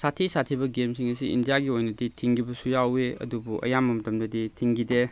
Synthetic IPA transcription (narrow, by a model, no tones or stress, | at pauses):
satʰisatʰibɐɡemsiŋɐsiḭndijaɡiojnɐditʰiŋɡibɐsujaweɐ̰dubuʔɐ̰jamːɐmɐtɐmdɐditʰiŋɡide